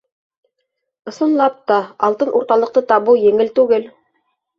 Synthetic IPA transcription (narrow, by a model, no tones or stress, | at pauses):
ŏsŏnlˠɑp̚t̪ɑɑlˠt̪ɤnʔuɾt̪ɑlˠɤ̆q̚t̪ɤt̪ɑβɤwjɘ̆ŋɘlt̪ʉɡɘl